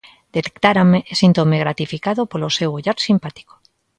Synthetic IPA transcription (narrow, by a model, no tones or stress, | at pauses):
d̪̥et̪e̥kt̪aɾameʔesint̪omeɣɾat̪ifikaðopolosewoʎaɾsimpat̪i̥ko̥